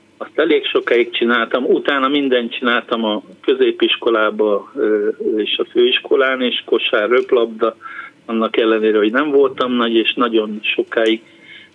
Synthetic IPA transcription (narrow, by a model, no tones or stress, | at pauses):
ɒst̪ɛleːkʃo̞kaːikt͡ʃinaːlt̪ɒmut̪aːnɒmind̪ɛnt̪t͡ʃinaːlt̪ɒmɒkø̞zeːpiʃko̞laːbɒ | eːʃɒføːiʃko̞laːneːʃko̞ʃaːrøplɒbd̪ɒɒnːɒkɛlːɛneːɾɛɦo̞ɟnɛɱvo̞lt̪ɒmnɒɟeːʃnɒɟo̞nʃo̞kaːiɡ